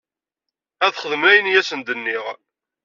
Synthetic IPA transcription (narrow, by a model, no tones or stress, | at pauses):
æðχəðəmlæjənjæsənd̪ənːiʁ